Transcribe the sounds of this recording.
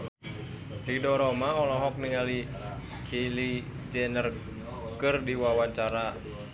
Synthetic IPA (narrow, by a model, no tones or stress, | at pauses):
ridɔɾɔmaɔlɔɦɔk̚niŋali | kʰili | d͡ʒɛnər | kɨrdiwawaɲt͡ʃaɾa